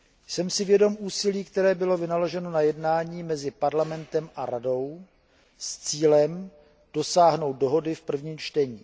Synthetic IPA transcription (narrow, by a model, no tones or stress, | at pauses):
sɛmsɪvjɛdo̞mʔuːsɪliːkt̪ɛɾɛːbɪlo̞vɪnalo̞ʒɛno̞najɛdnaːɲiːmɛzɪpaɾlamɛnt̪ɛmʔaɾado̞w | st͡siːlɛm | d̥o̞saːɦno̞wt̪̚do̞ɦo̞dɪfpr̩vɲiːmt͡ʃt̪ɛɲiː